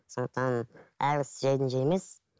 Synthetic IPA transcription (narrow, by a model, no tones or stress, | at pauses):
sond̪əq̚t̪ʰɑnæɾsʒɑjd̪ənʒemes